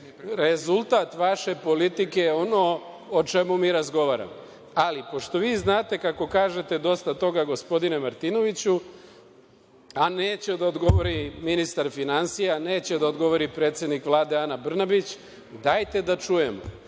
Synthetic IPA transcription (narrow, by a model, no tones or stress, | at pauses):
ɾe̞zulˠt̪at̪ʋaʃe̞po̞lit̪ike̞jeo̞no̞ː | t͡ʃe̞mumiːɾazɡo̞ʋaːɾa̰mo | alipo̞ʃt̪o̞ʋiːznaːt̪e̞kako̞kaːʒe̞t̪e̞d̪o̞st̪at̪o̞ɡaɡo̞spo̞d̪ine̞maɾt̪ino̞ʋit͡ɕu | aneːt͡ɕed̪aod̪ɡo̞ʋo̞ɾiminist̪aɾfinansijane̞ːt͡ɕed̪aod̪ɡo̞ʋo̞ɾipɾe̞ːt̪sje̞d̪nikʋlˠaːd̪e̞anabr̩nabit͡ɕ | d̪ajt̪e̞d̪at͡ʃuje̞mo̰